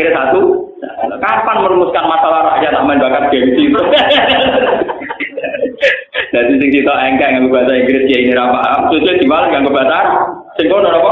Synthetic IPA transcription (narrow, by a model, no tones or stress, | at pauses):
ɾesat̪u | kapanməɾumʊskanmasalaɾajat̪aʔmanbakat̪̚ɡ̥e̤wisit̪ɔ | d̥at̪isɪŋsit̪ɔʔɛŋkaŋaŋɡub̥asaiŋɡɾɪsijainɪɾapaɦamsut͡ʃid̪̥i̤walaŋɡaŋɡub̥a̤san | sɪŋkonɔnɔkɔ